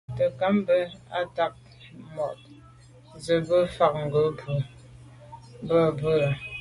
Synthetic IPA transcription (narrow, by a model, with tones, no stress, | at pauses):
tə˨ka˨˦m˦bə˦a̰˦ta˦k̚ | mɔ˨t̚ | zə˨bə˦fa˦k̚ŋ̩˨ɡə˨˦pə˨ | bə˦˨bə˦˨